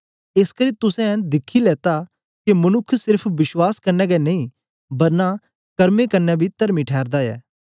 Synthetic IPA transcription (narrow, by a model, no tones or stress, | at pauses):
eskɐɾit̪ʊsɛ̃nd̪ɪkʰːilɛːt̪a | kemɐnʊkʰːsɪɾpʰʋɪswaːskɐɾnɛːɡɛnɐĩ | bɐɾna | kɐɾmekɐɾnɛbʱit̪ɐɾmiʈʰɛːɾd̪aɛ̰ː